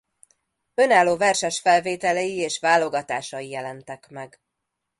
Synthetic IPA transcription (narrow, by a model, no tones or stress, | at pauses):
ø̞naːlːoːvɛrʃɛʃfɛlveːt̪ɛlɛjieːʃʋaːlːo̞ɡɒt̪aːʃɒjijɛlɛnt̪ɛkmɛɡ